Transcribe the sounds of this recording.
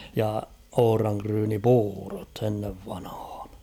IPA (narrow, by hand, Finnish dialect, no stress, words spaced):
jɑ ohŏrɑŋkryːnipuːrot enːeʋ ʋɑnhɑ̥ːn̥